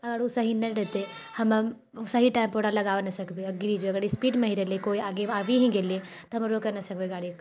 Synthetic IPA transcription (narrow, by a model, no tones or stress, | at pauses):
ɐɡəɾʊsaɦinɐɾɛɦt̪e | hɐm | ʊsaɦiʈaːɪmt̪oːɽalɐɡaːʋenɐsɐkʰbeɐɡɪɾid͡ʒoɐɡəɾispiːɖmẽɦiɾɛlekoːiaːɡeaːʋiɦĩɡeːliet̪oɦɐmɾoːkenɐsɐkʰbeɡaːɽi